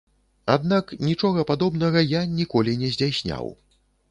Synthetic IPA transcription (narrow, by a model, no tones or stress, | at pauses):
ad̪naknʲit͡ʂɔɣɐpad̪ɔbnɐɣɐjanʲikɔlʲinʲɛzʲd͡zʲawsʲnʲa̰w